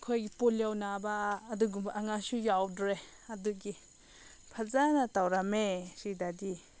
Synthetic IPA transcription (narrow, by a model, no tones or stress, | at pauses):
kʰojɡipoljawnabaːduɡumbaʔaŋasujawdɾe | aduɡi | pʰazanatawɾamesidadi